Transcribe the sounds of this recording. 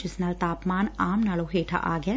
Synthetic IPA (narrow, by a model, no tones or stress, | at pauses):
ɪsnalt̪aːpmaːnaːmnaːloɦeːʈʰa̰ʔaːɡjaː